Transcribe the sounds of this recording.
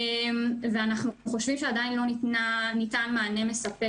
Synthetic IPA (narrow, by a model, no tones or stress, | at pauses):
mveanaχnuχo̞ʃvimʃeadainlo̞nitnanitanmaːne̞me̞sɐpe